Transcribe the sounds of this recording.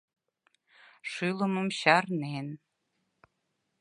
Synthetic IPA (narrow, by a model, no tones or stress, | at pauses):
ʃylə̆mə̆mɕɑrnen